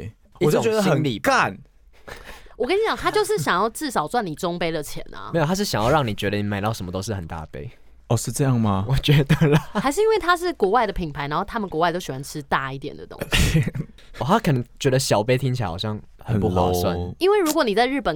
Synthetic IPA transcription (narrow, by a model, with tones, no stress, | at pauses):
t͡ɕo˥˨t͡ɕɥɛ˧˥ə˧˨ə˧˦nli˨˩ka˥˨n | wɔ˨˩kə˥ni˧˩t͡ɕjɑ˨˦ŋt̪ʰa˥t͡ɕjo˥˧ʊʂɻ̩˥˩ɕjɑ˨˩ŋjɑ˥˧ʊʈ͡ʂɻ̩˥˩ʂɑ˨˩ʊt͡swa˥˩ni˨˩ʈ͡ʂo˥ŋpe˥ɪlə˨t͡ɕʰjɛ̰˧˦nʔa̰˨˦˧jo˨˩t̪ʰa˥ʂ̬ɻ̩˥˩ɕjɑ˨ŋjɑ˥˧ʊɻɑ˥˩ŋni˨˩t͡ɕɥɛ˧˥d̪ə˧ni˨˩ma˨˥ɪt̪ɑ˥˩ʊʂə˧˦mə˦t̪o˥ʊʂ̬ɻ̩˥˩hə˨˩nt̪a̰˥pe˥ɪ | ɔ˥˧ʂɻ̩˥˧ʈ͡ʂɤ˥˧jɑ˥˩ŋmɐ˧wɔ˨˩t͡ɕɥɛ˧˥d̪ə˨lə˨˩xa˧ɪʂɻ̩˥˩i˥nwe˥˩ɪt̪ʰa˥ʂ̬ɻ̩˥˩kwɔ˧˥wa˥˩ɪd̪ə˨˩pʰi˨˩ŋpʰa˨˧ɪna˧˦nxo˥˩t̪ʰa˥mə˨nkwɔ˧wa˥˧ɪt̪o˥ʊɕwa˧˥nʈ͡ʂʰɻ̩˦t̪a˥˧i˥˩t̪jɛ̰˨˩nd̪ə̰˩t̪o̰˦ŋ | ɔ˨˩t̪ʰa˦˥kʰə˨˩nə˦ŋt͡ɕɥɛ˧˥d̪ə˧ɕjɑ˨˩ʊpe˥ɪt̪ʰi˦ŋt͡ɕʰi˨a̰˦xɑ˨˩ɕjɑ˥˩ŋ | hə˨˦pu˥˨xa̰˨˦˧sswa̰˥˦i˦nwe˥˩ɪɻu˧˥kwɔ˧˦ni˨˩t͡sa˥˧ɪɻ̩˥˩pə˨˩n